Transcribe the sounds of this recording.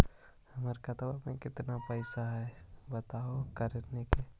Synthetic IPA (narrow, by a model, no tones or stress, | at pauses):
həməɾkat̪awamẽkɪt̪napəɪsaɦɛbət̪aokɐɾneke